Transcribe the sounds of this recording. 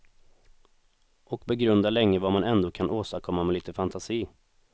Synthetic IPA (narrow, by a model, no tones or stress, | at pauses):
ʔɔkbɛɡɾɵnd̪alɛŋːəvamanɛnd̪oːkʰanʔoːst̪aɾkʰɔmːamɛliːt̪əfant̪ʰasiː